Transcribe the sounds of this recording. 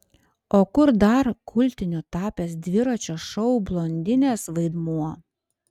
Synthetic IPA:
oːkʊɾd̪ɐɾkʰʊlʲˑt̪ʲɪnʲut̪ɑːpʲeːsd̪ʲʋʲɪɾɐt͡ʃʲoːʃɔʊblˠoːnʲd̪ʲɪnʲeːsʋɐɪd̪muɔ

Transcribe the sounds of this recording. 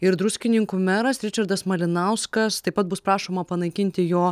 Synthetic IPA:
ɪɾd̪ɾʊsʲkʲɪnʲɪŋkuːmʲæɾɐsɾʲɪt͡ʃɐɾd̪ɐsmɐlʲɪnɐʊskɐst̪ɐɪpɐt̪̚bʊspɾɑːʃoːmɐpɐnɐɪkʲɪnʲt̪ʲɪjoː

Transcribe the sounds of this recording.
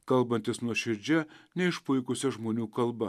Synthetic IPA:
kɐlˠˑbɐnʲt̪ʲɪsnuɔʃʲɪɾʲd͡ʒʲɛnʲɛɪʃpʊɪkʊsʲɛʒmoːnʲuːkɐlˠbɐ

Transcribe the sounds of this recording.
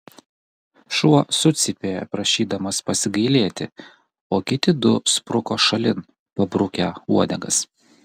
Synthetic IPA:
ʃuɔsʊt̪sʲɪpʲeːjɛ̰pɾɐʃʲiːd̪ɐmɐspɐsʲɪɡɐɪlʲeːt̪ʲɪ̰ | oːkʲɪt̪ʲɪd̪ʊspɾʊkoːʃɐlʲɪn | pɐbɾʊkʲɛuɔd̪ʲɛɡɐs

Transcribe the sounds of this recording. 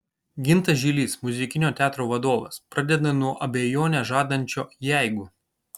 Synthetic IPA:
ɡʲɪnt̪ɐʒʲiːlʲiːsmʊzʲɪkʲɪnʲoːt̪ʲæːt̪ɾoːʋɐd̪oːʋɐ̰spɾɐd̪ʲɛd̪ɐnuɔʔɐbʲeːjoːnʲɛʒɑːd̪ɐnʲt͡ʃʲoːjæˑɪɡuː

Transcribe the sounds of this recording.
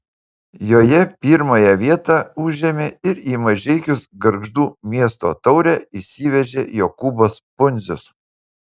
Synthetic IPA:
joːjɛpʲiːɾmɐjɛʋʲiɛt̪ɑːˑʊʒʲɛmʲeːɪɾiːmɐʒʲɛɪkʲʊsɡɐɾɡʒd̪uːmʲiɛst̪o̰ːt̪ɒʊɾʲɛːɪsʲiːʋʲɛʒʲeːjoːkʊbospʊnʲzʲʊs

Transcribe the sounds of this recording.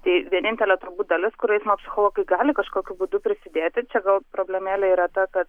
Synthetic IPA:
t̪ɐɪʋʲiɛnʲɪnʲt̪ʲɛlʲɛt̪ɾʊbuːd̪ɐlʲɪskʊɾɐɪsmopʲsʲɪxoːlˠoːɡɐɪɡɑːlʲɪkɐʃkoːkʲubuːd̪ʊpʲɾʲɪsʲɪd̪ʲeːt̪ʲɪt͡ʃʲɛɡɐlˠpɾoːbʲlʲɛmʲeːlʲɛiːɾɐt̪ɐkɐt̪

